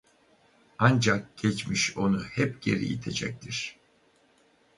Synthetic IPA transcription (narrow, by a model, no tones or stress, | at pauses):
and͡ʒak̚ɟ̥ɛt͡ʃmiʃo̞nuhɛpɟ̥e̞ɾḭjḭt̪ʰe̞d͡ʒɛc̚t̪ʰiɾ̥